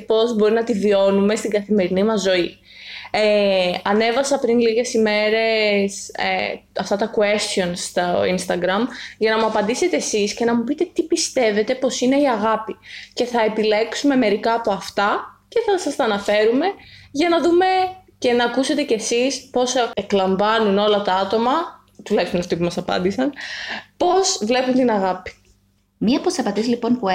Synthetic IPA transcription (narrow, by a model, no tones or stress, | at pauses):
po̞zbo̞ɾinɐt̪ivio̞nume̞st̪iɡɐθime̞ɾinimɐzːo̞i | eɐne̞vɐsɐpɾinliʝe̞sime̞ɾe̞sḛɐft̪ɐt̪ɐkuest̪jo̞nst̪ɐinst̪ɐɡɾɐmʝɐnɐmuɐpɐnd̪ise̞t̪e̞ːsisce̞nɐmupit̪e̞t̪ipist̪e̞ve̞t̪e̞po̞sine̞iɐɣɐpice̞θɐe̞pile̞ksume̞me̞ɾikɐːpo̞ɐft̪ɐce̞θɐsɐst̪ɐnɐfe̞ɾume̞ʝɐnɐðume̞ce̞nɐːkuse̞t̪e̞ce̞sispo̞seklɐɱvɐnuno̞lɐt̪ɐɐt̪o̞mɐ | t̪ulɐjçst̪unɐft̪ipumɐsɐpɐ̰nd̪isɐnpo̞svle̞punt̪inɐɣɐpi̥ | miɐposɐpɐt̪izlipo̞npu